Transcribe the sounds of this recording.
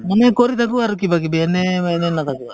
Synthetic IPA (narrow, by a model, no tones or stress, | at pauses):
mɐnekoɾit̪ak̬uʋaɾuk̬ibak̬ibɛnemanenːat̪akuʋa